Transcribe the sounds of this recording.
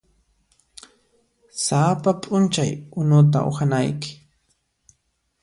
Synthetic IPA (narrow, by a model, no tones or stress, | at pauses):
sapapʼʊnt͡ʃajʊnʊt̪a̰ʔo̰xanajkɪ̥